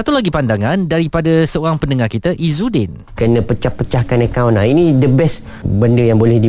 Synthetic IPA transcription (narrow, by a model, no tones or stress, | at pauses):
sat̪ulaɡipandaŋãndaɾipadasəoɾaŋpəndəŋarkit̪aʔizudɪn | kərnə̃pət͡ʃahpət͡ʃahkanekawnainĩdəbɛs | bəndəjaŋbolɛhdi